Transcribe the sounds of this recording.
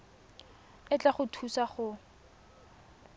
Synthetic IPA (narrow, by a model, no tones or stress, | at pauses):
ɪt͡ɬʼaχʊtʰusaχʊ